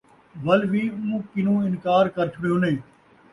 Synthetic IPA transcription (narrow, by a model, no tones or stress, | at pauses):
ʋəlʋiːũːkɪnũːɪnkaːɾkəɾt͡ʃʰʊɽijoːnẽː